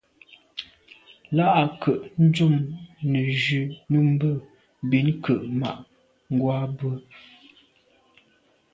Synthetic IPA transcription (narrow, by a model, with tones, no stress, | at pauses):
la˦ʔa˨kʰə˨ʔn̩˦d͡ʒu˦˨mnə˨d͡ʒʉ˨nə˦m̩˦bə˦˨ | bi˨˦nkʰə˨ʔma̰˨ʔ | ŋ˦ɡwa˦bə˦